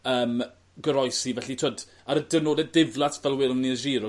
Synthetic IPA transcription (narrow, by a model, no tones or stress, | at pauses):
əːm | ɡəɾɔjsivɛɬitʰoːd | aɾəd̥ɛnoːdɛd̚dɪvlˠatʰvɛlˠwɪlˠniəʒiːɾɔ